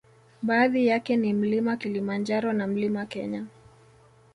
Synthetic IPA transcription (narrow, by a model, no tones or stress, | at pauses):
ɓaːðijakɛnim̩limakilimand͡ʒaɾɔnam̩limakɛ̰ɲa